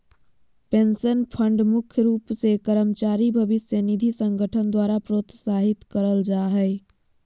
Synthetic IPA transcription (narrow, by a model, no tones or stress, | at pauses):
pensənpʰəɳɖmukʰjɾuːpsekəɾəmt͡ʃaɾibʱəbisjənid̪ʱisə̃ŋɡəʈʰənd̪waɾapɾot̪saɦit̪kəɾəld͡ʒaɦɛɪ